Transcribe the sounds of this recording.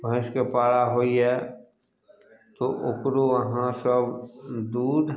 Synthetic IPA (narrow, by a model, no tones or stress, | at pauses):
bʱə̃skepaːɽaɦoːiɦɛ | t̪oʔʊkɾoʋəɦãsəbd̪uːd̪